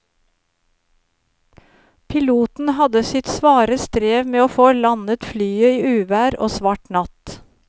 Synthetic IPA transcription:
pʰɪluːt̪n̩hɑd̪əsɪt̪sʋɑːɾəst̪ɾeːʋmeːoːfoːlɑnət̪flyːəiːʔʉːʋæːɾo̰ːsʋɑːʈnɑt̪

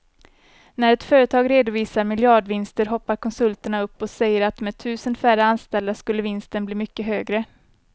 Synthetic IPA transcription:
næɾɛt̪fœːɾət̪ʰɑːɡɾeːd̪ʊviːsaɾmɪljɑːɖvɪnst̪əɾɦɔpːaɾkʰɔnsɵlt̪əɳaɵpːɔsɛjːəɾat̪mɛd̪̚t̪ʰʉ̟ːsənfæɾəanst̪ɛld̪askɵlːəɾvɪnst̪ənbliːmʏkːəɦøːɡɾə

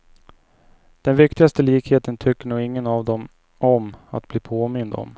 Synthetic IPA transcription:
d̪̥ɛnvɪkt̪ɪɡast̪əliːkheːt̪ənt̪ʰʏkːəɳuːɡɪŋːənavd̪ɔm | ɔma̰t̪̚bliːpʰoːmɪnd̪ɔ̰m

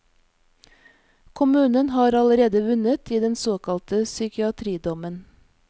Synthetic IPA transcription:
kʰʊmʉːnənhɑːɾɑləɾeːd̪əʋʉnət̪iːd̪ɛnsoːkʰɑlt̪əsʏkɪɑt̪ʰɾiːd̪ɔmən

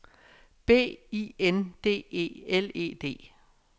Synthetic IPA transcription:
b̥e̝̰ːiend̥e̝̰ːe̝̰ːele̝̰ːd̥e̝̰ː

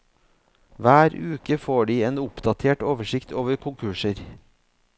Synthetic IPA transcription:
ʋæːɾʉːkəfoːɖiːeːnʊpd̪ɑt̪ʰeːʈoːʋəʃɪkt̪ʰoːʋəɾkʰʊŋkʰʉʃəɾ

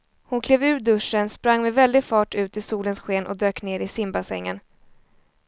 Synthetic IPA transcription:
hʊnkʰleːvʉ̟ːɖɵʂːənspɾaŋːmɛvɛld̪ɪfɑːʈʉ̟ːt̪ɪsuːlənsɧeːnʔɔ̰d̪øːkneːɾɪsɪmbasɛ̰ŋːən

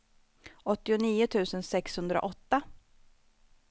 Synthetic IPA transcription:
ɔt̪ːɪʊniːʊt̪ʰʉ̟ːsənsɛkshɵnd̪ɾa̰ʔɔt̪ːa

